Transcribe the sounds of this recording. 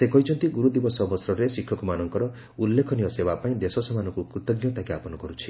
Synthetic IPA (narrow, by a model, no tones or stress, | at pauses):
sekɔɦit͡ʃʰɔnt̪iɡuɾud̪ibɔsɔbɔsɾɔɾesikʰːɔkumanɔŋkɔɾɔ | ulːekʰɔnijɔsebapaĩd̪esɔsɔmanɔŋkupɾut̪ɔɡnjɔt̪akiapɔnɔkɔɾut͡ʃʰi̥